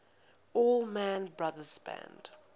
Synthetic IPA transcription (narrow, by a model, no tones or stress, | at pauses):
ɔlˠmæ̃nbɹaðəspæ̰̃nd̥